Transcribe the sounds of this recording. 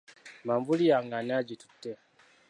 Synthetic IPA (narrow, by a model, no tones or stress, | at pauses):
maːmvulijaŋɡanaɟitu̥tːe